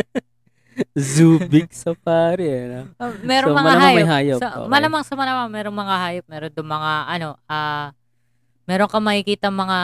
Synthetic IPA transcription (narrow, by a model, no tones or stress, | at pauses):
zuːbɪk̚sɐpaːɾɪɐnɐmɛːɾomɐŋmɐlaɦajmɐjɦaːjoɐmɐlamɐŋsɐmɐlɐmaŋmɛːɾoŋmɐŋahaːjop̚mɛːɾond̪ʊŋmɐŋaʔɐno̞aː | mɛːɾo̞ŋkɐmɐkɪkiːt̪ɐŋmɐŋa